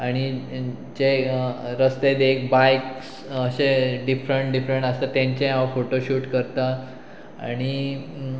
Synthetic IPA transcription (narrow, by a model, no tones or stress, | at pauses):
aɽ̃i | d͡ʑeɾəst̪ed̪ek̚bajks | əɕeɖifɾəɳʈɖifɾəɳʈast̪at̪jãɲt͡ɕẽafoʈoɕuːʈkəɾt̪a | a̰ɽ̃i